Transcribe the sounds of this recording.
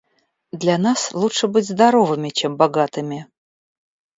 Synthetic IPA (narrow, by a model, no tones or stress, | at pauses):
d̪lʲanaslˠutʂɨbɨtʲzd̪ɐɾovɨmʲɪt͡ɕembaɡat̪ɨmʲɪ